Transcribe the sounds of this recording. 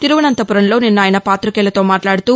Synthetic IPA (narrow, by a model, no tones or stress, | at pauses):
t̪iɾuʋɐnɐnt̪ɐpuɾɐnlo̞ːninːaːjɐnɐpaːt̪ɾukɛːlɐt̪o̞ːmaːʈlaːɽut̪uː